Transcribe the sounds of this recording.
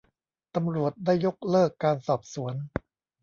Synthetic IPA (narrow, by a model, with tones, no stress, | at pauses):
t̪a˧mɾu˨˩ət̪̚daː˥˩jːo˦˥k̚lɤː˥˩kːaː˧nsɔː˨˩p̚su˩˦ən